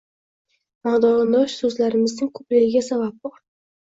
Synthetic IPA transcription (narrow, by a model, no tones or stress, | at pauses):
maʁd̪ɒʁɨnd̪ɒʃsɵzlaɾɪmɪznɪŋkʰɵplɪɡʲɪɡʲasabap̚bʊ